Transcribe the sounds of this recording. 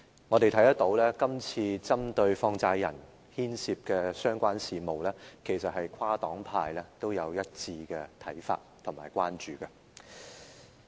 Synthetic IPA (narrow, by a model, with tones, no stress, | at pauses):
ŋɔ˨˧t̪e˨jt̪ʰjt̪ɐ˥t̪̚o˨˥wlɛː˥kɐ˥mt͡sʰiː˧t͡sɐ˥mt̪ɵ˧ɥfɔː˧ŋt͡saː˧jjɐ˨˩n | hiː˥nsiː˨˧p̚kɛː˧sœː˥ŋkʷaː˥nsiː˨˧mo˨wlɛː˥kʰe˨˩jsɐ˨t̚hɐ˨jkʷʰwaː˥t̪ɔː˨˥ŋpʰa̰ː˧jlɛ˥t̪o˥wjɐ˨˧wjɐ˥t̚t͡siː˧kɛ˧t̪ʰɐ˨˥jfa̰ː˧t̚t̪ʰʊ˨˩ŋmaː˨˩jkʷaː˥nt͡ʃyː˨˩kɐ˧